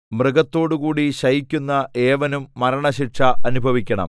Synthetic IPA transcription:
mrɨɡɐt̪ːo̞ːɽukuːɽiɕɐjikʲːunːɐʔeːʋɐnumːɐɾɐɳɐɕiʈʂɐʔɐnubʱɐʋikʲːɐɳɐ̰m

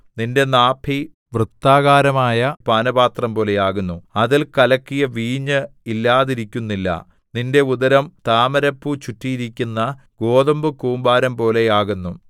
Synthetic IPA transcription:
ninde̞naːpʰi | ʋrɨt̪ːaːɣaːɾɐmaːjɐpaːnɐbaːt̪rɐmpo̞ːle̞jaːɣunːuɐðilkɐlɐkːijɐʋiːɲːɨilːaːðiɾikʲːunːilːɐ̰ | ninde̞uðɐɾɐmt̪aːmɐɾɐpːut͡ɕutːijiɾikʲːunːɐɡo̞ːðɐmbɨkuːmbaːɾɐmpo̞ːle̞jaːɣunːu

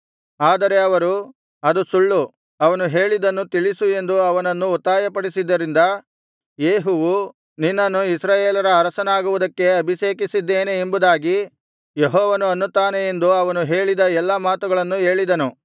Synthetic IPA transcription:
aːd̪ɐɾe̞ɐʋɐɾu | ɐd̪usuɭːu | ɐʋɐnuɦe̞ːɭid̪ɐnːut̪iɭisue̞nd̪uɐʋɐnɐnːuːt̪ːaːjɐpɐɽisid̪ːɐɾind̪ɐ | jeːɦuʋu | ninːɐnːuisɾaːjeːlɐɾɐːɾɐsɐnaːɡuʋud̪ɐkːe̞ɐbʱiʃe̞ːkisid̪ːeːneːmbud̪aːɡi | jeɦɔːʋɐnuɐnːut̪ːaːneend̪uɐʋɐnuɦe̞ːɭid̪ɐɛlːɐmaːt̪uɡɐɭɐnːuɦe̞ːɭid̪ɐnu

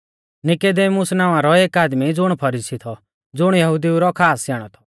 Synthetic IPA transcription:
nɪked̪eːmʊsnãːʋãɾɔeːkaːd̪mid͡zʊɽ̃pʰɐɾiːsit̪ʰɔ | d͡zʊɽ̃jɐɦʊd̪iuɾɔkʰaːsjaːɽ̃ɔt̪ʰɔ̥

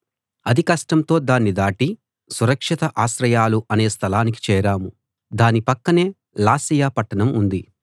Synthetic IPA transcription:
ɐd̪ʱikɐʂʈɐmt̪o̞ːd̪aːnːid̪aːʈi | suɾɐkʂit̪ɐʔaːʃɾɐjaːluʔɐne̞ːst̪ʰɐlaːnik̬i̥t͡ʃɛːɾaːmu | d̪aːnipɐkːɐne̞ː | laːsijaːpɐʈːɐnɐmund̪i

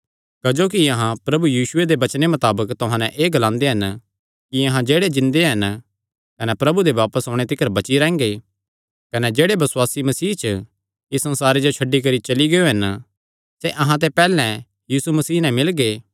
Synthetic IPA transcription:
kɐd͡ʒoːkiɐɦãpɾɐbujiːʃʊed̪ebɐt͡ʃnemɐt̪aːbəkt̪ʊɦãnɛ̃ʔeːɡɐlãːnd̪eɦɐn | kiɐɦãd͡ʒeːɽed͡ʒɪ̃nd̪eɦɐn | kɐnɛpɾɐbud̪eʋaːpəsoːɽ̃et̪ɪkəɾbɐt͡ʃiɾɛ̃ːŋɡe | kɐnɛd͡ʒeːɽebɐswaːsimɐsiːt͡ʃ | isɐ̃nsaːɾed͡ʒot͡ʃʰɐɖːik̬ɐɾit͡ʃɐliɡeoɦɐn | seʔɐɦãt̪̬epɛːlɛ̃ | jiːsumɐsiːnɛ̃mɪlɡeː

